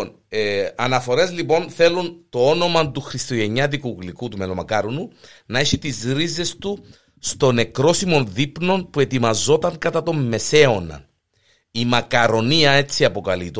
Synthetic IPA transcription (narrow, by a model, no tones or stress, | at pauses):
n | ɐnɐfo̞ɾe̞zlipo̞nθe̞lunt̪o̞o̞no̞mɐnt̪uxɾist̪o̞ʝe̞ɲɐt̪̬ikuɣlikut̪ume̞lomɐkɐɾonu | nɐe̞çit̪izɾize̞st̪u | st̪o̞nekɾo̞simo̞nðipno̞npue̞t̪imɐzo̞t̪ɐŋkɐt̪ɐt̪o̞mːe̞se̞o̞nɐ̰ | imɐkɐɾo̞niɐe̞t͡sːiɐpo̞kɐlit̪o